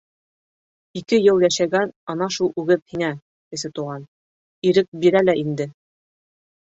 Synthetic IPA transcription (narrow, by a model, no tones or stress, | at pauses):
ikɘjɤlˠjæʃæɡænɑnɑʃulˠʉɡɘðhiŋæ | kɘ̆sɘt̪uʁɑn | iɾɘk̚biɾælæʔind̪ɘ